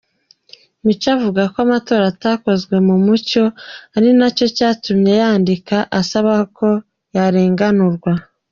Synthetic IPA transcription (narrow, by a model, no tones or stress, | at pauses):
mut͡ʃavuɡakoamato̞ːɾataːko̞zɡwe̞mumuco̞aɾinaco̞caːtumɲe̞jaːndikaʔasaβakʰo̞ | jaɾeːŋɡanuɾɡwa